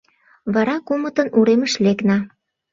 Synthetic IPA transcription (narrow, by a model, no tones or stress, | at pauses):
βɑɾɑkumə̆t̪ə̆nuɾemə̆ʃleknɑ